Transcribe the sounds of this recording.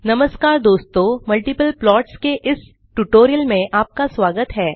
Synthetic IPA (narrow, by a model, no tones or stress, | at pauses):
nɐməskaːɾd̪oːst̪omɐlʈipəlplɔːʈskeʔɪs | ʈuʈoːɾijəlmẽʔaːp̚kasʋaːɡət̪ɦɛː